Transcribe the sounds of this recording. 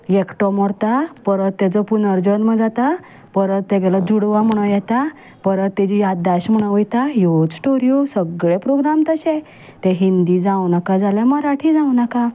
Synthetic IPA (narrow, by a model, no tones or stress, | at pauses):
jekʈɔmɔɽt̪apəɾət̪ːet͡sɔpunəɾd͡ʑənməd͡zat̪a | pəɾət̪ːeɡɛlad͡zuɽʋam̤əɽ̃ojɛt̪a | pəɾət̪ːed͡ʑijad̪aɕm̤əɽ̃əojt̪ajod͡zsʈoɾijusəɡɭepɾoɡɾamt̪əɕɛ̃ | t̪ɛ̃ɦind̪id͡zãwnakad͡zaljaməɾaʈʰid͡zãwnaka